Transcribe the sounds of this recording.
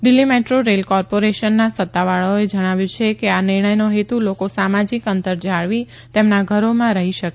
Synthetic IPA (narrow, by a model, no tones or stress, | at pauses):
ɖ̪ɪlːimeʈɾoɾelkɔɾpoɾeʃənːasət̪ːaʋaɭooed͡ʒəɽ̃aʋjũt͡ʃʰekeanɪɾɳ̃əjnoɦet̪ulokosamad͡ʒikənt̪əɾd͡ʒaɭʋi | t̪emnaɡʱəɾomãɾəɦiʃəke